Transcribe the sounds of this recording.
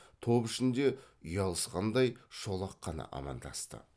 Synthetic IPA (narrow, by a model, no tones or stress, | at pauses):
t̪ʰo̞pɪʃɪnd̪e̞ | ʏjɑlˠəsqɑnd̪ɑjʃo̞lˠɑqːɑnɑ̰ʔɑ̰mɑ̰nd̪ɑ̰st̪ə̰